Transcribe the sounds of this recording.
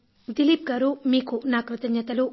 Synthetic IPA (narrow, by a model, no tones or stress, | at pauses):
d̪ilip̚kɐɾumiːkunaːkɾɐt̪ɐnjɐt̪ɐlu